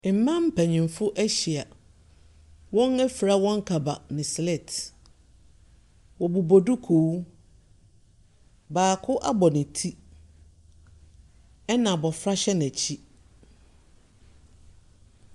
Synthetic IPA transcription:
m̩˨mã˦m̩˦pʰæ˨ɲĩ˨m˨fʊ˦ʔæ˦ɕi˨a˨ | wɔ̃˦næ˦fi˨ɾa˦˨wɔ̃˦ŋ̩˦kʰa˨ba˨nɪ̃˨sle˦˨t | wɔ˨bu˨bo˨du˦kʰoː˨˦ | baː˨kʰʊ˦ʔa˦bɔ˨nɪ̃˨tʰi˦ | ɛ˦nã˨bɔ˨fɾa˦ɕɛ˦n˨ɛ˨t͡ɕʰi˦

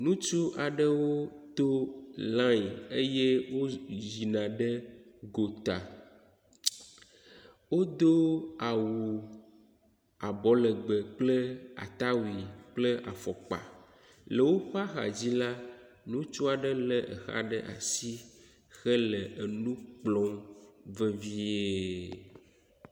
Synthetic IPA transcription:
nũ˦t͡ʃu˦ʔa˨ɖə˦wo˦t̪o˦lã˦je˦je˦wo˦zi˨nã˨ɖə˦ɡo˨t̪a˨ | wo˦d̪o˦a˨wu˨ | a˨bɔ˦lə˨ɡ͡bə˨k͡plə˦a̰˨t̪a˦wi˨k͡plə˦ʔa˨fɔ˨k͡pa̰˨ | lə˨wo˦ɸa˦xa̰˨d͡ʑi˦la˦ | nũ˦t͡ʃu˦a˨ɖə˦lə˦ʔə̰˨xa̰˦ɖə˦ʔa̰˨si˦ | xə˦lə˨e˨nũ˦k͡plɔ̃˦ŋvə˦vi˦e˦

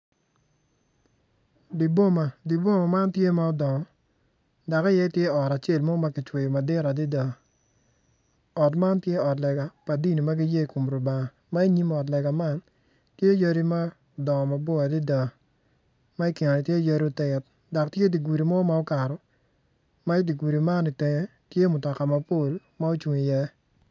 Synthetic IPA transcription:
di˨bo˦ma˨di˨bo˦˨ma˨ma˦ntje˦ma˦ɔ˨dɔ˨ŋɔ˨ | da˨ka˦jɛ˦tje˦ɔ˨ɾa˨t͡ʃe˦˨lmɔ˦ma˦kɪ˨t͡ʃwe˨jo˨ma˨dɪ˦ɾa˨di˦da˨ | ɔ˨tma˦ntje˦ɔ˨tlɛ˨ɡa˨pa˨di˦ni˨ma˦ɡɪ˦je˦˨ko˨mɾo˨ba˨ŋa˨ | ma˦i˦ɲi˦mɔ˨dlɛ˨ɡa˨ma˦n | tje˦ja˦ɾi˦ma˦˨ | dɔ˨ŋɔ˨ma˨bɔ˦a˨dɪ˦da˨ | ma˦i˦ki˨nɔ˨nɪ˨tje˦ja˦ɾi˦o˦˨tɛ˨t̚ | da˨k̚tje˦di˨ɡu˨ɾi˨mɔ˦ma˦ɔ˦ka˨ɾɔ˨ | ma˦i˦di˨ɡu˨ɾi˨ma˦nɪ˨te˨ŋe˦tje˦mʊ˨tɔ˨ka˨ma˨po˦˨l | ma˦o˦t͡ʃwu˨ŋi˨jɛ˦

